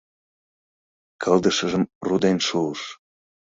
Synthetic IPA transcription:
kʰəld̪əʃəʒəmrud̪enʃuəʃ

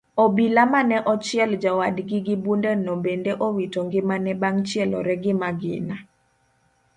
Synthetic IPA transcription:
ɔbilamanɛʔɔt͡ʃɪɛld͡ʒawadɡɪɡɪbundɛnɔbendeʔowitoŋɡɪmanɛbaŋt͡ʃjɛlɔ̰ɾɛɡɪmaɡɪ̰na

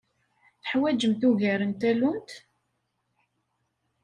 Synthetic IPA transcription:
θəħwæd͡ʒəmθuʝæɾənt̪ælunt̪

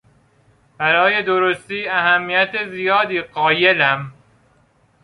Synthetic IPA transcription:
b̥æɾɒːje̞d̪oɾost̪iːæɦæmːijæt̪ezijɒːd̪iːɢɒːje̞læm

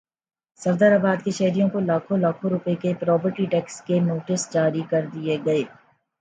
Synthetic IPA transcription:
sɐɾd̪əɾabaːd̪keʃɐɦɾijõkolaːkʰõlaːkʰõɾʊpekepɾɔːbəɾʈiʈɛːkskenoːʈɪsd͡ʒaːɾikɐɾd̪ieɡɐeː

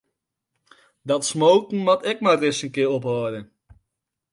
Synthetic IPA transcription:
dɑtsmowtn̩mɑtɪk̚madrɪsəŋkɪːrɔpɦɔːdən

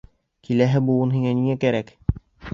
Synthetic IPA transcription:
kʰilæɦɘbulˠɤnɦiŋæniŋækæɾæk

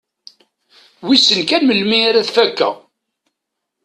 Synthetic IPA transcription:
wisənkænməlmiaɾæðfækːæ̰

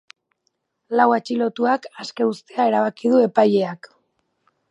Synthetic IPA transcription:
lawat͡ʃilo̞t̪uakaske̞ust̪eae̞ɾaβ̞akið̞ue̞paʎe̞ak

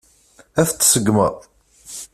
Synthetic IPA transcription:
æθt͡sːsəɡmə

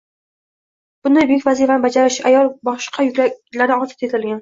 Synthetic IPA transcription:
b̥ʊnd̪ajbjɪkʲvazifanɪbad͡ʒaɾɪʃajɒlˠbɒʃqʰɑjʊkʲalaɾɪɒt̪ʰɪt̪et̪ʰɪlɡʲan

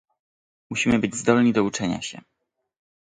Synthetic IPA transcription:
muɕimɘbɘd͡ʑzd̪ɔlɲid̪ɔut͡ʂɛɲa̰ɕɛ̰

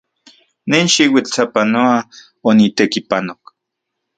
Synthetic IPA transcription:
nenʃiwit͡ɬt͡sapanoa | onit̪ekipanok

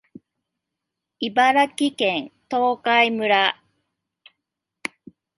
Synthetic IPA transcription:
ibaɾakʲikẽnt̪oːkaimɯ̟ɾa

